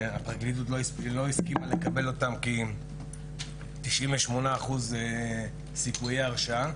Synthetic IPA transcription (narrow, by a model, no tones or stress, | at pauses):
apʁaɡlitut̪loislo̞iskimale̞kabe̞lo̞tamki | t̪iʃʔimveʃmo̞naːχuz | sikujeaʁʃa